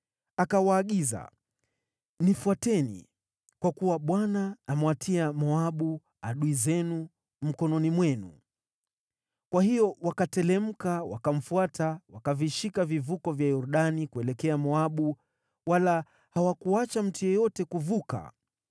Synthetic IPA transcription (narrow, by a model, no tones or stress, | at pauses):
akawaːɠiza̰ | nifuatɛnḭ | kwakuwaɓwanaːmwatʰiamɔaɓu | aɗuizɛnu | m̩kɔnɔnimwɛnṵ | kwahijɔwakatɛlɛm̩kawa̰kam̩fuatawakaviʃikavivukɔvjajuɾuɗanikuɛlɛkɛamɔaɓu | wala | hawakuat͡ʃam̩tujɔjɔtɛkuvuka̰